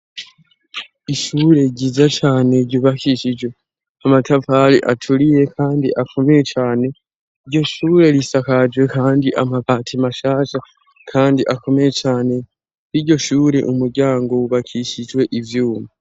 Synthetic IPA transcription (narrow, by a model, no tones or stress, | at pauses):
iʃuːɾe̞ɟizat͡ʃaːne̞ɟuːβakiʃid͡ʒwe̞ | amatavalḭʔa̰tʰuɾije̞kʰaːndiʔakʰo̞mejet͡ʃaːne̞ | iɾɟo̞ʃuːɾe̞ɾisakad͡ʒwe̞kaːndiʔamapatʰimaʃaːʃa | kʰaːndiʔako̞mejet͡ʃaːne̞ | iɾɟo̞ʃuːɾe̞ʔumuɾɟaːŋɡo̞uβakʰiʃid͡ʒwe̞ʔivjuːma